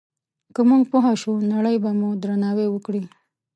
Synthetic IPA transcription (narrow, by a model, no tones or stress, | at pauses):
kəmuŋɡpoɦaʃunaɽəjbamud̪ɾanɑwewəkɽi